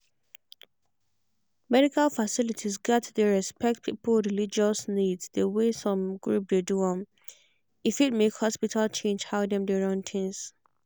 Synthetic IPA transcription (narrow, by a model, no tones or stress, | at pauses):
mɛɾikalfasɪlitʰizɡɛtdeɹɛspɛk̚t̚pʰipl̩ɹilid͡ʒɔsnidsdewesɔ̃mɡɹup̚deduɔ̃m | ifit̚mekhɔspitʰalt͡ʃʰẽnd͡ʒhaʊdɛ̃mdɛɹɔ̃ntʰɪ̃ŋs